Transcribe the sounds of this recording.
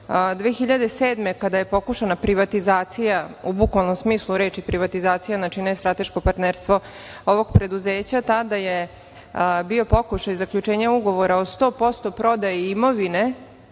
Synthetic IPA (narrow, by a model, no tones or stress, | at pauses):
d̪ʋeːxiʎad̪e̞seːd̪me̞kad̪aje̞po̞kuʃanapɾiʋat̪izaːt̪sijaubukʋalno̞msmiːslˠuɾe̞ːt͡ʃipɾiʋat̪izaːt̪sijanat͡ʃinest̪ɾat̪e̞ʃko̞paɾt̪neɾst̪ʋo̞ | o̞ʋo̞ɡpɾe̞d̪uze̞ːt͡ɕat̪ad̪aje | bio̞po̞kuʃajzakʎut͡ʃe̞ːɲauɡo̞ʋo̞ɾaost̪o̞ːpo̞st̪o̞pɾo̞d̪ajeimo̞ʋine̞